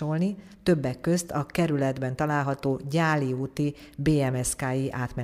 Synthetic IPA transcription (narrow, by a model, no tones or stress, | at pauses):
olni | t̪øbːɛkːø̞st̪ʰɒkɛɾylɛd̪bɛnt̪ɒlaːlɦɒt̪oːɟaːliuːt̪ibeːɛmɛskaːjiʔaːt̪mɛ